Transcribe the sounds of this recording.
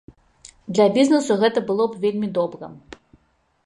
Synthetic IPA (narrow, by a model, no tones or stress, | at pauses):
d̪lʲɐbʲiznɨsuɣɛt̪ɐbɨlˠɔbvʲelʲmʲid̪ɔbɾɨ̰